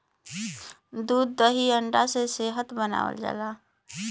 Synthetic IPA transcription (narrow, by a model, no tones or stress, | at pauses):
d̪uːd̪ːəɦiəɳɖaseseɦət̪bəna̰ːʋə̰ld͡ʒa̰laː